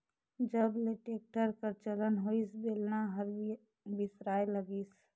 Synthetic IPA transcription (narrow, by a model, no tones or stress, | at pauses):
d͡ʒəbleʈeːk̚ʈəɾkəɾt͡ʃələnɦoisbeːlnaɦəɾ | bɪsɾaːeləɡiːs